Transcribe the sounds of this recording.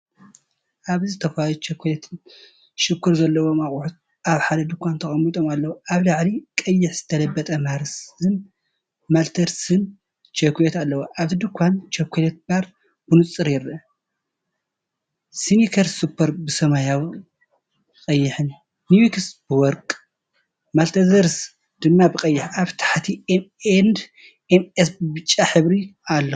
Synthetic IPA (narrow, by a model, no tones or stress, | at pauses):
ʔaβzɨt̪ʰɐfajot͡ʃekʰʷːlet̪ʰɨn | ʃɪkːuɾzɐlːɐwomaχʼuħut̪̚ | ʔaβħad̪ɐd̪ukʰʷːant̪ʰɐxʼɐmːit̪ʼomalːɐwoaβlaʕlikʼɐjːɪħz̥ɨt̪ʰɐlɐbːɐt̪ʼɐmaɾsɨn | malt̪ʰɐɾsɨn | t͡ʃʰekjet̪alːɐwoʔaβɨd̪ɨkʰʷːant͡ʃɐkʷʰːelet̪̚baɾ | bɨnut͡sʼːɨɾjɪɾɐ | sinikʰɐɾsupʰːɐɾbɨsɐmajaw | kʼɐjːɪħɨnː | iwiksbɨwɔɾkʼ | malt̪ʰɐzɐɾs | d̪̥ɨmːabɨkʼɐjːɪħaβt̪ʰḁħt̪ʰiend̪ | emesbɨbɨt͡ʃʼːaħɨβɾialːɐ